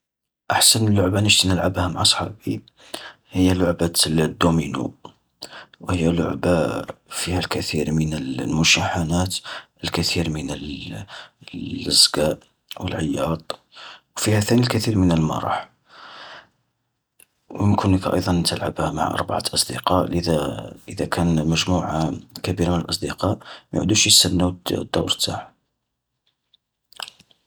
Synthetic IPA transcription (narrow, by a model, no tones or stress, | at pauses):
ʔaħsənəlːʊʕbanəʒt̪inəlʕabhæmaʕɑsˤħɑ̰bi | həjːælʊʕbad̪ːuminṵ | whəjːælʊ̰ʕbafihælkæt̪iɾmənəlmʊʃaħanæt̪əlkət̪iɾmənəl | əzɡæʔ | wə̰lʕəjːɑt̪ˤ | wfihæθænilkæt̪iɾmənəlmɑ̰ɾˤɑ̰ħ | wəmkʰʊnəkæʔɑ̰jd̪ˤɑnːət̪əlʕa̰bhæma̰ʕʔɑ̰ɾˤbaʕa̰t̪ʔɑsˤd̪əqɑʔləd̪æʔəd̪ækʰænməʒmuʕakæbiɾmənəlʔɑsˤd̪əqɑʔmæjʕ̰d̪uʃjəst̪ənːæwd̪ːṵwɾt̪aʕ